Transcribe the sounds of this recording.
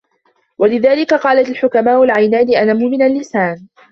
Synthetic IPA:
walɪðaːlɪkaqɑːlaalħʊkamaːʔʊlʕajnaːnɪʔanaːmʊʔmɪnalːɪsaːn

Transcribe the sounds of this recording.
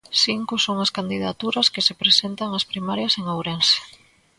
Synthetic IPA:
siŋkoʊsoŋɐskand̪iða̰t̪uɾɐskɪsepɾesent̪aŋɐspɾimaɾjɐseŋawɾense̥

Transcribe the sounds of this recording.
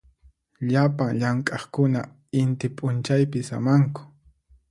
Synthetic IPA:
ʎapaŋʎaŋkʼɑχkʊna | ɪnt̪ɪpʼʊnt͡ʃajpɪsa̰maŋkʊ̥

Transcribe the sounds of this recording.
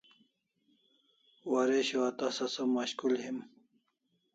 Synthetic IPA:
waɾeɕoat̪asɐsɐmaɕkulhim

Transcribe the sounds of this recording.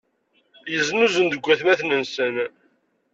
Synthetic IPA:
jəznuzənd̪əɡʷːæθmæθnənsən

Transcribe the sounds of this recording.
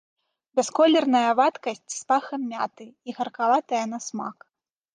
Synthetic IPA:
bʲɛskɔlʲɛrnɐjɐvat̪kɐsʲt͡sʲspaxɐmʲːat̪ɨiɣɐrkavat̪ɐjɐn̪ɐsma̰k

